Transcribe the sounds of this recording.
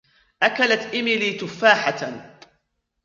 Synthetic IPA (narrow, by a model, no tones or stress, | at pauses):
ʔakalat̪ʔɪmɪliːt̪ʊfːaːħat̪